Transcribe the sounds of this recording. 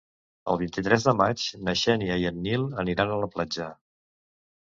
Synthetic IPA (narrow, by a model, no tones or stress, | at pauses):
ə̰lˠβint̪it̪ɾɛzðəmat͡ʃnəʃɛniəiənːilˠəniɾanələplad͡ʒa